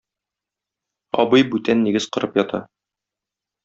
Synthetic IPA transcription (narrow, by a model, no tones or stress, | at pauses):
ɒbɤjbʉt̪ænːiɡɘzqɤ̆ɾɤpjɒt̪ɑ̰